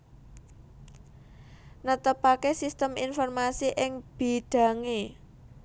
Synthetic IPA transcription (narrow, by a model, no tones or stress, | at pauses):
nət̪əpakesist̪əminfɔrmasiʔɪŋb̥i̤ɖ̪̥a̤ŋe